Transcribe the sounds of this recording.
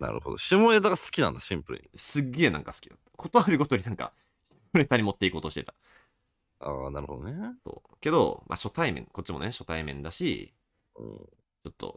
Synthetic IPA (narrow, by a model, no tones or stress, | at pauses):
na̰ɾɯ̟ho̞d̪oɕimoɾet̪aɣasɨ̥kʲinãnd̪aɕĩmpɯɾɯ̰sɨɡːe̞ːnã̰ŋkasɨ̥kʲid̪at̪ːkʰo̞t̪o̞aɾɯɡo̞t̪oɾinãŋka̰ | ɕimoɾet̪aɾʲimo̞t̪ːe̞iko̞ːt̪oɕit̪e̞t̪ḁ | aːnaɾɯ̟ho̞̰d̪oneso̞̰ː | ke̞d̪o̞̰mʔa̰ɕo̞t̪aimẽ̞̰ŋkot͡ɕːimo̞̰neɕo̞t̪aimẽ̞nd̪aɕḭ | ɯ̰̃ː | t͡ɕo̞t̪ːo̞̰